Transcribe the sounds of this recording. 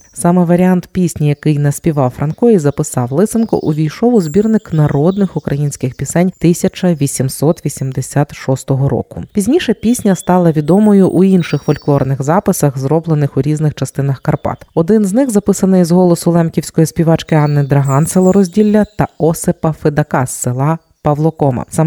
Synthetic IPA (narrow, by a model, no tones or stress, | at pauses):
sɑmɛʋɐɾʲiant̪pʲisʲnʲijɐkɪjnɐsʲpʲiʋɑwfɾʔɐnkɔjʲizɐpɪsɑwlˠɪt̪sɪnkɔ̰ʔuʋʲijʃɔʋʊzbʲirnɪknɐɾɔd̪nɪxʊkɾɐjinʲsʲkɪxpʲisɛnʲt̪ɪsʲɐt͡ʃɐʋʲisʲimsɔt̪ʋʲisʲimd̪esʲat̪ʃɔst̪ɔɦɔɾɔ̰kʊpʲizʲnʲiʃɛpʲisʲnʲɐst̪ɑlˠɐʋʲid̪ɔmɔjʊʔuinʃɪxfɔlʲklˠɔrnɪxzɑpɪsɐxzɾɔblˠenɪxʊɾʲiznɪxt͡ʃɐst̪ɪnɐxkɐrpɑ̰t̪ɔd̪ɪnznɪxzɐpɪsɐnɐizɦɔlˠɔsʊlˠɛmkʲiwsʲkɔjispʲiʋɑt͡ʃkɪɑnːɪd̪ɾɐɦɑnselˠɔɾɔzʲdʲilʲːɐt̪ɐɔsepɐfɪd̪ɐkɑsːɪlˠɑ | pɐʋlˠɔkɔmɐ̰sɑm